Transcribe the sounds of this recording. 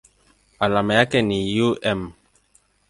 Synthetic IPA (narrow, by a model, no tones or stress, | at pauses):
alamɛjakɛnijuɛm